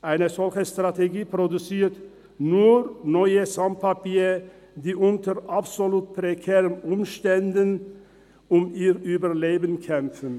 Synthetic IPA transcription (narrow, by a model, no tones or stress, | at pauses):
ʔaɪnəzɔlçəstʁ̥ateɡiːpʁ̥odut͡siːɐt | nuːnɔʏəsampʰapiːʁə | diːʔʊntəʁʔapsoluːt̚pʁ̥ekʰɛːʁənʔʊmʃtɛndən | ʔʊmiːʁʔyːbɐleːbənkʰɛmfən̩